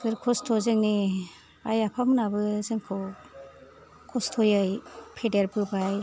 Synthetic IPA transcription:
ɡɯɾkʰɔstʰɔzeŋni | ajapʰamɯnabɯzeŋkʰɔ | kʰɔstʰɔjɯjpʰedeɾbɯbaj

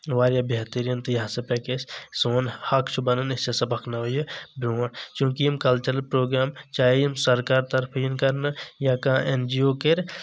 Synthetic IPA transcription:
ʋaːɾjɐbjɐt̪iɾijɐnt̪ijaːsɐpɛkessoːnhɐkt͡ʃʰubɐnɐnɪst͡ʃɐsɐbɐkʰnɐʋɐjɐbɾoːnt͡ʃũːkiimkɐlt͡ʃɐɾəlpɾoːɡɾaːmt͡ʃaːɦijimsɐɾkaːɾt̪ɐɾpʰɐjɐnkɐɾnɐjakãːend͡ʒioːkeɾ

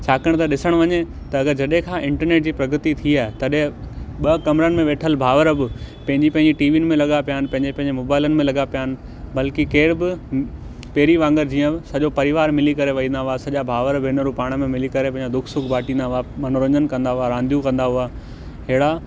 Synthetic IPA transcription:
t͡ɕʰaːkəɽ̃t̪ɐɗɪsəɽ̃ʋɐɲe | t̪ɐɐɡəɾd͡ʑɐɗɦẽkʰãːʔɪ̃ɳʈəɾneːʈ̚d͡ʑiːpɾɐɡət̪it̪ʰiaːɦɪt̪ɐɗɦẽɓɐkɐmɾənɪ̆mẽʋeːʈʰəlbʱaːʋəɾbɪpɐ̃ɦɪ̃ɲd͡ʑipɐ̃ɦɪ̃ɲd͡ʑiʈiːʋiːnɪ̆mẽlɐɠapjaːnɪ̆pɐ̃ɦɪ̃ɲd͡ʑepɐ̃ɦɪ̃ɲd͡ʑemoːbaːɪlənɪ̆mẽlɐɠapijaːnɪ̆ | bɐlkɪkeːɾbɪ | peːɾiʋãːŋɡəɾd͡ʑiːə̃ɪsɐʄopɐɾɪʋaːɾmɪlikɐɾeʋɐĩːnd̪aɦʊasɐʄabʱaːʋəɾbɪɪnəɾupaːɽ̃əmẽmɪlikɐɾepɐ̃ɦɪɲd͡ʑad̪ʊkʰsʊkʰbʱaːʈĩːnd̪aɦʊamɐnɾə̃ɲənkɐ̃nd̪aɦʊaɾãːnd̪ʱjũkɐ̃nd̪aɦʊa | ɦeɪɽa

